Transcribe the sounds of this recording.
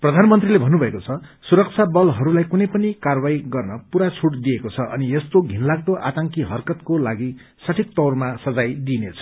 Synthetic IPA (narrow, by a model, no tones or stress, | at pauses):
prʌd̪ʱanmʌnt̪rilebʱʌnːubʱʌekot͡sʰʌsuɾʌk̚t͡sʰabʌlɦʌɾulajkunʌjpʌnikarbajɡʌrnʌpuɾat͡sʰuʈd̪ijekot͡sʰʌʔʌ̰niest̪oɡʱinlaɡ̚t̪oʔa̰t̪aŋkiɦʌrkʌt̪kolaɡi | sʌʈʰik̚t̪ʌwrmasʌd͡zajd̪inet͡sʰʌ̥